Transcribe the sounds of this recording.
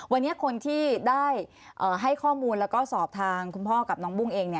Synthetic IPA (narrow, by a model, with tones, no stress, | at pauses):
wa˧nːi˦˥ɐkʰo˧nt̪ʰiː˥˩daː˥˩j | ʔɤː˨˩ɦa˥˩jkʰɔː˥˩muː˧nlɛː˦˥wkɔː˥˩sɔː˨˩p̚t̪ʰaː˧ŋkʰu˧npʰɔː˥˩ka˨˩p̚nɔː˦˥ŋbu˥˩ŋʔeː˧ŋni˥˩ɐ